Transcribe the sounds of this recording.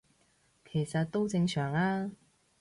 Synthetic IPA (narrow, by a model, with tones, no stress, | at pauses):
kʰe˨˩jsɐ˨t̚t̪o˥wt͡sɪ˧ŋsœː˨˩ŋaː˧˥